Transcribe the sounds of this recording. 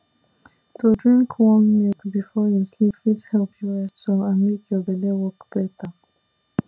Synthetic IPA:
tʰudɹĩŋkʰwɔ̃nwekbifɔjuslipwithɛlpʰjuɛtoãnmekʰjɔbɛlewɔkb̥ɛtə

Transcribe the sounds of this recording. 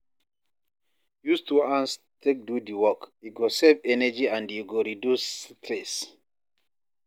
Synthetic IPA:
justuãns | tʰek̚dudiwɔkiɡosɛvɛnɛd͡ʒiãndjuɡoɹidjustʰles

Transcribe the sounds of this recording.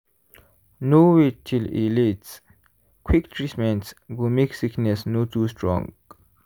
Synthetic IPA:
nowitʰilḭlits | kʰwiktʰɹismɛ̃ntsɡumiksiknɛsnotʰustʰɹɔ̰̃ŋɡ

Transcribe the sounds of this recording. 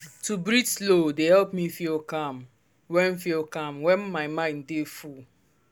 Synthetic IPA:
tubɹid͡ʒslodehɛlpmifilkãm | wɛ̃nfilkãmwɛ̃nmaɪmãɪ̃ndeful

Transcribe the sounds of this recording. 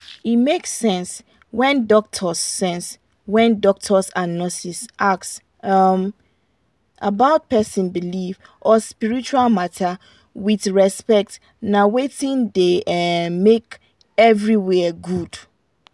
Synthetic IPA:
itmeksɛ̃ns | wɛ̃ndɔk̚tʰɔsːɛ̃ns | wɛ̃ndɔk̚tʰɔsannːɔsisʔaks | ʌm | abaʊt̚pɛsĩnbilif | ʔɔspiɹit͡ʃualmatʰa | wiðɹɛspɛk̚t | nawetĩndemek | ɛvɹiwɛɡud̥

